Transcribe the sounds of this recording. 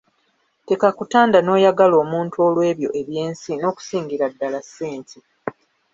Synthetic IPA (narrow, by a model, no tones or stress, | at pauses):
te̞kakutaːndano̞ːjaɡalo̞ːmuːntuo̞ːlwe̞ːβjo̞̰ʔe̞βje̞ːnsino̞ːku̥siːŋɡiɾadːalasːeːntʰi